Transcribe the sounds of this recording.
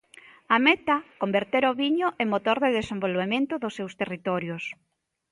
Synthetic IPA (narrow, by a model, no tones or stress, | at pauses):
amet̪akombeɾt̪eɾoβiɲʊʔeŋmot̪oɾðeðesẽmbolβemẽnt̪ʊðʊsːewst̪erit̪ɔɾjos